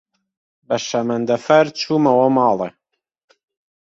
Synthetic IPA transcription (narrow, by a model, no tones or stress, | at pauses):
bɐʃamɐnd̪ɐfɐɾt͡ʃʰuːmɐwɐmɑːle